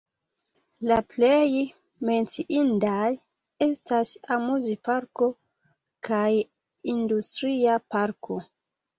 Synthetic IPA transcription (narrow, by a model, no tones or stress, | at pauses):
laplej | me̞nt͡siʔindaj | e̞stasamuzipaɾko̞ | kʰaj | industɾiapaɾkʰo̞